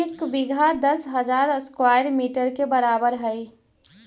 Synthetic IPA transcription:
ɪkbiɡʱad̪əsɦəd͡ʒaɾəskwajɾmiʈəɾkebəɾabəɾɦəj

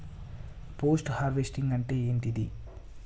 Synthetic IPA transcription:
poːsʈhaːɾʋesʈiŋɡɐɳʈe̞ːeːɳt̪id̪i

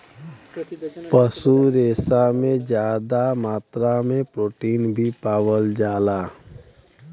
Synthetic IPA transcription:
pəsuɾeːsamẽd͡ʒjaːd̪amaːt̪ɾamẽpɾoːʈiːnbʱipaːʋəld͡ʒaːlaː

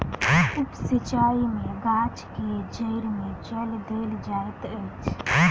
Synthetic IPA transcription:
ʊpsɪt͡ʃaːimẽɡaːt͡ʃked͡ʒəɪɾmẽt͡ʃəld̪eːld͡ʒaːet̪ət͡ʃʰ

